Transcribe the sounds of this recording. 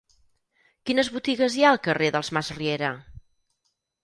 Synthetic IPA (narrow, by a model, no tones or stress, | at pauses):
kinəzβut̪iɣəzjaəlˠkəreðəlˠzmazrieɾə